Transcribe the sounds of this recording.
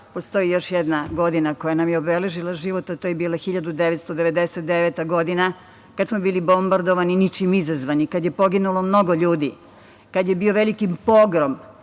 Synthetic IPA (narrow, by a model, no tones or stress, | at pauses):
po̞st̪o̞jijo̞ʃjɛd̪naɡo̞d̪inakojanamjeobeleʒilˠaʒiʋo̞t̪at̪ojebiːlˠaxiʎad̪ud̪eʋet̪st̪o̞d̪eʋed̪eset̪̚d̪eʋet̪aɡo̞d̪ina | kad̪smobiːlibo̞mbaɾd̪oʋaninit͡ʃimizazʋanikad̪je̞po̞ɡinulˠo̞mno̞ɡo̞ʎuːd̪i | kad̪je̞bioʋelikimpo̞ɡɾom